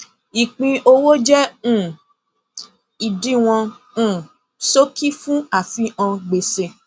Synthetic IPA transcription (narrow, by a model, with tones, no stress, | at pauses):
i˨k͡pĩ˧ʔo˧wo˦d͡ʒɛ˦ũ˦˨ | i˨dĩ˦w̃ɔ̃˧ | ũ˦˨ | so˦ki˦fũ˦a˦˨fi˧ã˧ɡ͡be˨se˧